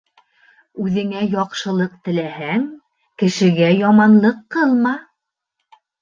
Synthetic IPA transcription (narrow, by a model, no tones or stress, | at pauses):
ʉðɘ̆ŋæjɒqʃɤ̆lˠɤq̚t̪ɘ̆læhæŋ | kɘ̆ʃɘ̆ɡæjɒmɑnlˠɤqːɤlˠmɑ